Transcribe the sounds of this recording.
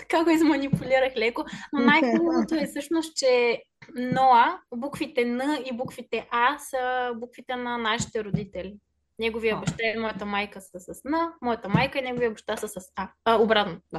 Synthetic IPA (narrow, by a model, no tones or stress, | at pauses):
t̪ɐ̥kaɡoizmɐnipulʲiɾəxlɛkononajumlˠot̪oɛsɤʃnost̪t͡ʃɛ | nɔɐbukfit̪ɛnəibukfit̪ɛʔasəbukvit̪ɛnɐnaʃi̥t̪ɛɾod̪it̪ɛli | nɛɡovijəbɐʃt̪aɛmɔjət̪əmajkəsəsɐsnəmɔjɐt̪əmajkəinɛɡovijəbɐʃt̪asəsɐsaobɾat̪noa